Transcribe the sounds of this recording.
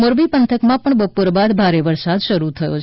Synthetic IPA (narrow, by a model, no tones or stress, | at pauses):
moɾbipənt̪ʰəkmãpəɳbəpoɾbad̪bʱaɾeʋəɾsad̪ʃəɾut̪ʰəjo̰t͡ʃ